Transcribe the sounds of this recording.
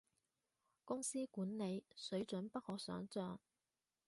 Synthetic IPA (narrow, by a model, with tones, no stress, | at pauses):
kʊ˥ŋsiː˥kuː˨˥nne˨˧jsɵ˨˥ɥt͡sɵ˨˥npɐ˥t̚hɔː˧˥sœ̰ː˨˥ŋt͡sœː˧ŋ